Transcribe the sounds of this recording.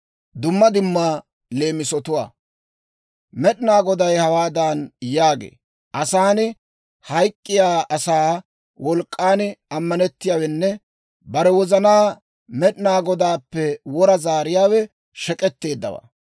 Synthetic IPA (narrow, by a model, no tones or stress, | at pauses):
d̪ʊmːɐd̪ɪmːaː | le̞ːmɪsɔt̪ʊwa̰ː | mɛɗɪnaːɡɔd̪ɐjhɐwaːd̪aːnjaːɡḛː | ʔɐsaːnɪ | hɐjkʼːɪjaːɐsaː | wʔɔlkʼːaːnɪɐmːɐnɛt̪ːɪjaːwɛnːɛ | bɐɾɛwɔzɐnaː | mɛɗɪnaːɡɔd̪aːpːɛwɔɾɐzaːɾɪjaːwɛ | ʃɛkʼɛt̪ːe̞ːd̪ːɐ̰wa̰